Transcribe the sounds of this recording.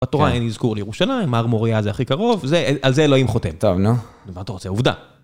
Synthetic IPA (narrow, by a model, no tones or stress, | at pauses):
batoʁaenizkuʁlijeʁuʃalaimaʁmoʁiazeaχikaʁo̞vzeʔalzeloimχotemt̪ovnu | mat̪aʁot͡seuvd̪a̰